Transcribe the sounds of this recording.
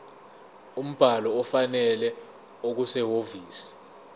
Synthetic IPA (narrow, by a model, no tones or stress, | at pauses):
um̩b̥ʱalɔːfanɛlɛ | ok̬usɛɦoviːsi̥